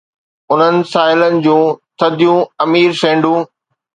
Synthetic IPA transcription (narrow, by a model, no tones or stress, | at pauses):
ʊn̤ənɪ̆saːɪlənɪ̆d͡ʑũːt̪ʰɐd̪ʱijũɐmiːɾsẽːɳɖũː